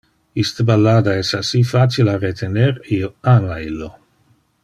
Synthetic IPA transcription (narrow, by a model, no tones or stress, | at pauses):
ist̪əbalːaːd̪aɛsasifat͡ʃilaret̪ʰenerioaːmailːo